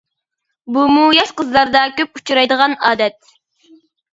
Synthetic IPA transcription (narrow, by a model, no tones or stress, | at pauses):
bumujɑʃqəzlˠɑɾd̪ɑkʲøput͡ʃʰuɾɑjd̪əʁɑnɑːd̪ɛt̪̚